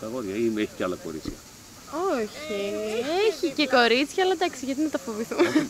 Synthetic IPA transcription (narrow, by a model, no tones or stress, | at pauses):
t̪ɐɣoðʝɐimeçi̥cealɐko̞̰ɾit͡sçɐ̰ | oçieçice̞ko̞ɾit͡sçɐːlɐd̪ɐksiʝɐt̪inɐt̪ɐfoviθum